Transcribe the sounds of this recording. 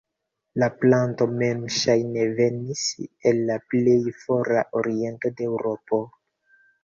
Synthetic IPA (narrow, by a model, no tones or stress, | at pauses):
laplanto̞memʃajne̞ve̞niselːaple̞jfo̞ɾa̰ʔo̞ɾie̞nto̞deewɾo̞po̞